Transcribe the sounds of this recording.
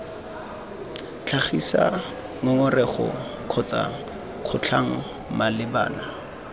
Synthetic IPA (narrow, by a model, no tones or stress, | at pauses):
t͡ɬʰaχisa̰ | ŋʊŋʊrɛχɔ̰ | q͡χʰɔt͡sa̰ | q͡χʰʊt͡ɬʰaŋ̩ | malɪba̰ːna